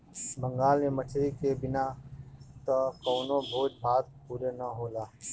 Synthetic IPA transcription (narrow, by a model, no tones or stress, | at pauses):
bə̃ŋɡaːlmeməʈʰɾikebɪna | t̪okoːnõbʱoːd͡ʒbʱaːt̪̚puːɾenəɦoːlaː